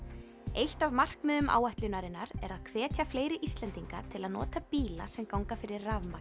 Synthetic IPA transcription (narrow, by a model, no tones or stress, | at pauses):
ejht̪avmar̥kmœːðʏmʔa̰ːwaht̪lʏnaɾɪnːaɾɛɾaðkʰvɛːt̪ʰjafleːjɾɪʔist̪lɛnt̪iŋkat̪ʰɪlaðnɔ̰ːt̪apiːla̰sɛmkawŋkafɪɾɪɾraːvma